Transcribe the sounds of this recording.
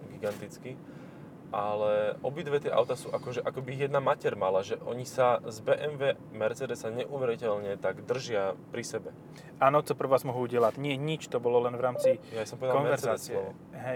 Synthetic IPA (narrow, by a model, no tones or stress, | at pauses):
ɡiɡant̪it͡ski | ʔalɛʔɔbid̪ʋɛt̪ɪɛʔa̰ʊt̪asuːʔakɔʒɛʔakɔbijɛd̪namacɛɾmalaʒɛʔɔɲisazbɛʔɛmʋɛ | mɛɾt͡sɛd̪ɛsaɲɛʔuʋɛɾicɛʎɲɛt̪aɡd̪r̩ʒɪapɾisɛbɛ | ʔaːnɔt͡sɔpr̩ʋaːzmɔɦuuɟɪɛlaɟɲɪɛɲit͡ʃt̪ɔbɔlɔlɛnʋɾaːmt͡sijasɔmpɔʋɛd̪kaɔnʋɛɾzaːt͡siɛ | ɦɛ